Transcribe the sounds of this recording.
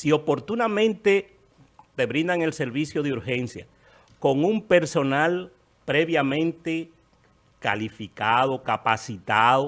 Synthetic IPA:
sio̞po̞ɾt̪unamẽ̞nt̪e | t̪e̞βɾĩnd̪aŋelse̞ɾβisjo̞ðeuɾxe̞nsja̰ | ko̞ŋumpe̞ɾso̞nal | pɾeβjamẽnt̪e | ka̰lifikaðo̞kapasit̪aðo

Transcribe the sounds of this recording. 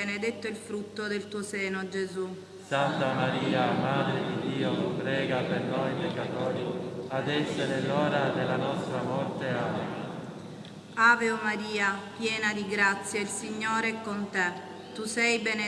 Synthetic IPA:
ened̪et̪ːoilfɾut̪ːod̪elt̪uːosɛːnod͡ʒezu | sant̪amaɾiːamaːd̪ɾed̪id̪ːiːopɾɛːɡapernɔjpekːat̪ɔːɾiad̪ɛsːeɾelɔːɾad̪elanɔst̪ɾamɔrt̪eaːnima | aːveomaɾiːapjɛːnad̪iɡɾat̪sːjailsiɲːoːɾeɛkːont̪e | t̪usɛjbene

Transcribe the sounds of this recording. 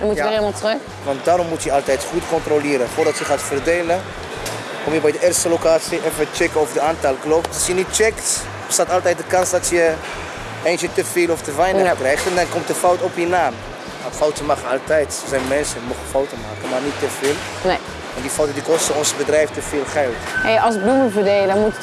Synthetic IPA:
mutːematrə | ʋɑntdaːɾɔmːutjəɑlˠtɛjtχutkɔntrolɪːɾəfʊːrdɑtjəχaːtfərdeːlə | kɔmjəbɛjdəʔɪːrstəlokaːtsiɛnfət͡ʃɛkəovədəaːntɑlˠkloptɑsjənit̚t͡ʃɛkt | bəstaːtɑlˠtɛjt̚dəkɑnsdɑtjə | eːnt͡ʃətəfeːlɔftəʋɛjnədrɛjχtɛndɑnkɔmt̚dəfɔwtɔpjinaːm | afɔwtənmaχənɑlˠtɛjtsozɛjnmɛnsəmoχəfawtənmaːkəmaːrnitːəvɪːlˠ | ne | ʋɑntdifɔwtəndikɔstəɔnsbədrɛjftəfɪːlˠχɛlˠthejɑlˠsbluməvədeːləmut

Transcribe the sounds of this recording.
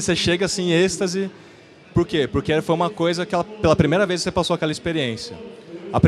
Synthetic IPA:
seʃeɡɐsĩest̪ɐzɪ | poɾkepoɾkeɛfojũmɐkojzɐkɪɛlɐpelɐpɾimejɾɐvejssepasoɐkɛlɐispeɾiẽsjɐ̰ɐpɾ

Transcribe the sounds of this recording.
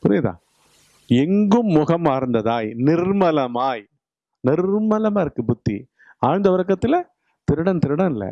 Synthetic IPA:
pʊɾɪjɐðã̰ː | ɛŋɡɯmːʊɣɐmaːɾɯnd̪ɐðaːjnɪrmɐlɐmaːj | nɪrmɐlɐmaːɪɾɯkːɯbʊt̪ːḭ | aːɻnd̪ɐʋɐɾɐkːɐt̪ːɪlɐ | t̪ɪɾɯɽɐnt̪ɪɾɯɽɐ̃nɪlːɛ̰

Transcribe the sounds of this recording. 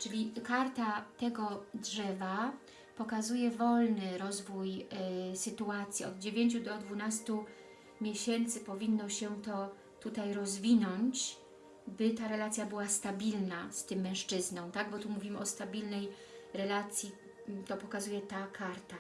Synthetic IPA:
t͡ʂɘlʲikaɾt̪at̪ɛɡɔdʐɛva | pɔkazujɛvɔlnɘɾɔzvujsɘt̪uat̪sʲjiɔ̰d̪̚d͡ʑevʲjeɲt͡ɕud̪ɔd̪vunast̪u | mʲjeɕɛnt̪sɘpɔvʲinːɔɕɛt̪ɔ | t̪ut̪ajɾɔzvʲinɔɲt͡ɕ | bɘt̪aɾɛlat̪sʲjabɘwast̪abʲilnast̪ɘmːɛ̃w̃ʂt͡ʂɘznɔ̃w̃t̪aɡ̚bɔt̪umuvʲimɘɔst̪abʲilnɛj | ɾɛlat̪sʲji | t̪ɔpɔkazujɛt̪akʰaɾt̪a

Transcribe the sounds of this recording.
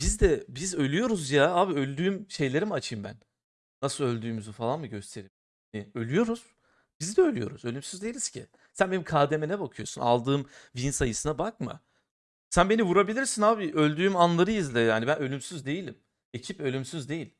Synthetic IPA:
bizd̪ɛbizø̞lʲyjo̞ɾuzjaaːbiø̞lʲd̪yːmʃe̞jlʲe̞ɾimat͡ʃʰɯjmbæ̰n | nasɯlˠø̞lʲd̪yːmyzyfalˠanmɯɟø̞st̪ʰe̞ɾi | niø̞lʲyjo̞ɾuz̥ | b̥izd̪ɛø̞lʲyjo̞̰ɾuzø̞lʲymsyzd̪e̞jilʲiz̥cʰɪ̰ | sænbe̞nimkʰaːd̪emɛnɛbakʰɯjo̞̰suna̰lˠd̪ɯːmvinsajɯsɯnabak̚mɯ̰ | sænbe̞nivuɾabilʲiɾsinaːbiʔø̞lʲd̪yːmanlˠaɾɯjɯzlʲɛjaːnibænø̞lʲymsyzd̪e̞jilʲim | e̞cʰipø̞lʲymsyzd̪e̞jilʲ

